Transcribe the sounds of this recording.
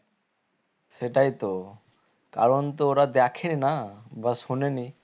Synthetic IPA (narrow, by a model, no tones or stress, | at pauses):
seʈajt̪o | ka̰ɾɔnt̪ooɾad̪ɛkʰeninabasuneni